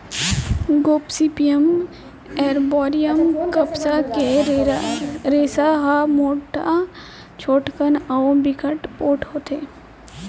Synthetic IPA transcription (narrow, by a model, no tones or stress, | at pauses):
ɡoːpsipijəm | ɛːɾbɔːɾijəmkəpsake | ɾeːsaɦamoːʈa | t͡ʃʰoːʈkənawbɪkʰəʈpoːʈhoːt̪ʰeː